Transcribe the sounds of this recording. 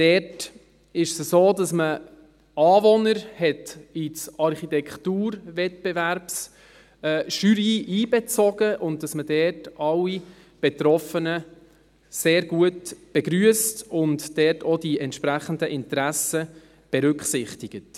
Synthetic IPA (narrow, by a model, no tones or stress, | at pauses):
d̥ɛt | ɪʃsəsoːdɑsmə | ɑːvɔnəɾhɛtit͡sɑɾχitɛkχtuːɾvɛt̚b̥ɛvæɾps | ɛːʃyɾiːʔiːbɛt͡sɔɡəʔʊnt̚d̥ɑsmədɛːtɑlːi | b̥ɛt̪ɾɔfənə | seːɾɡuətb̥ɛɡɾyəstʊntdɛtodiɛntʃpɾæχəndəʔɪntɾæsə | b̥ɛɾʏkχsɪχtɪɡ̥ət